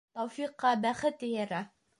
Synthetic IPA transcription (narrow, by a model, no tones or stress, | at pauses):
t̪ɒwfiqːɑbæχɘt̪ɘjæɾæ